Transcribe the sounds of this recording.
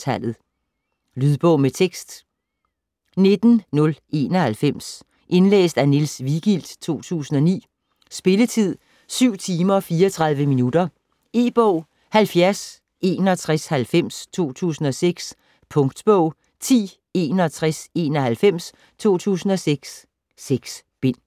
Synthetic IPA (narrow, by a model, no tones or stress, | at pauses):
æl̰ð̩ˠ | lyðˠb̥ɔʊmet͡sʰeɡ̥sd̥ | ne̝d̥n̩nɔ̽lʔe̝ːnɒ̽hælfem̰s | ʔe̝nlḛːsd̥ænilsʋiɡ̥il̰d̥t͡sʰo̝̰ːt͡sʰṵːsn̩ɒ̽nḭː | sb̥e̝lət͡sʰið̞̰ˠ | syʊ̰t͡sʰiːmɐfiːɐɒt͡sʰʁɑ̈ð̞ˠʋəminud̥ɐ | e̝̰ːb̥ɔʊ̰ | hælfjæɐs | e̝ːnɒ̽t͡sʰʁɛshælfem̰st͡sʰo̝̰ːt͡sʰṵːsn̩ɒ̽seɡ̥s | pʰɔ̽ŋd̥b̥ɔʊ̰ | t͡sʰḭː | e̝̰ːnɒt͡sʰʁase̝ːnɒhælfem̰s | t͡sʰo̝̰ːt͡sʰṵːsn̩ɒ̽seɡ̥sː | eɡ̥s | b̥e̝n̰